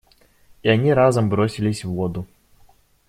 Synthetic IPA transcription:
ianʲiɾazɐmbɾɔsʲilʲisʲwːɔd̪u

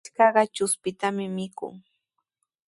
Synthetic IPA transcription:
kɑɢɑt͡ʃʊspɪt̪amɪmɪkʊ̰ŋ

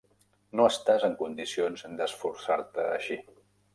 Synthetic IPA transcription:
noəst̪azəŋkund̪isionzd̪əsfuɾsaɾt̪əːʃi

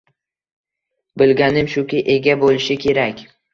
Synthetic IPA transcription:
bɪlɡʲanɪmʃʊkʲɪʔe̞ɡʲabolɪʃɪkʲʰe̞ɾakʲ

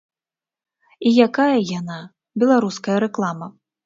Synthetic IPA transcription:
ijakajɐjana | bʲɛlˠaɾuskɐjɐɾɛklˠamɐ

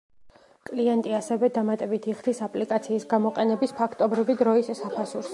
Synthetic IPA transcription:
kʼliɛnt̪ʼiasɛvɛd̪amat̪ʼɛbit̪ʰiχd̪isapʼlikʼat̪sʰiːsɡamɔqʼɛnɛbispʰakʰt̪ʼɔbɾivid̪ɾɔisːapʰasuɾs

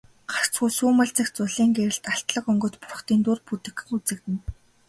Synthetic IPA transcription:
ɢar̥t͡sɡuːsuːmə̆ɮt͡sɘ̆kt͡sʊɮiːŋɡeɾɘ̆ɬt̪aɬt̪ɮə̆kɵŋɡɵ̆t̪pʊr̆χt̪iːnt̪urput̪ɘ̆xɘ̆xut͡sɘ̆k̚t̪ɘ̆n

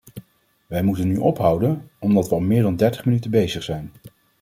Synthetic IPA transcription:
ʋɛjmutənːyʔɔpɦʌwdənɔmdɑtʋəɑlˠmɪːɹdɑndɛɹtə̥χmənytəbejzəχsɛjn

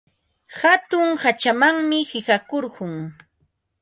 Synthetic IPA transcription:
hat̪ʊŋhat͡ʃamaŋmɪhɪhakoɾɢʊŋ

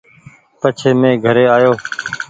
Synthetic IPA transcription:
pət͡ʃʰeːmẽːɡʱəɾeːaːjoː

